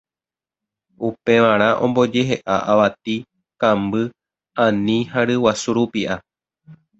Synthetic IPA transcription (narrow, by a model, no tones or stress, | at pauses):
upe̞ʋãɾ̃ãʔõ̞mbo̞d͡ʒe̞ɦe̞ʔaʔaʋat̪̚i | kãmbɨ | ãnĩhaɾɨwasuɾupiʔa